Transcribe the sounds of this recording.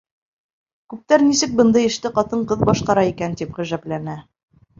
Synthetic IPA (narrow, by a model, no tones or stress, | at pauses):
kʉp̚t̪æɾnisɘk̚bɤ̆nd̪ɤjɘ̆ʃt̪ɘqɑt̪ɤɴqɤðbɑʃqɑɾɑikænt̪ipʁɘ̆ʒæplænæ